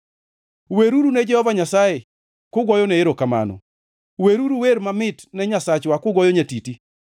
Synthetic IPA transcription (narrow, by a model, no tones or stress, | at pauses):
weɾuɾunɛd͡ʒɛhɔvaɲasaje | kʊɡwɔjɔnɛɪɾokama̰nɔ̰ | weɾuɾuweɾmamɪtnɛɲasat͡ʃwakʊɡwɔjɔɲatiti